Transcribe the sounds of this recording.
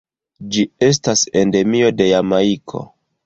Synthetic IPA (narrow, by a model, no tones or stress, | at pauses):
d͡ʒie̞s̬tase̞nde̞mio̞de̞jamaikʰo̞̰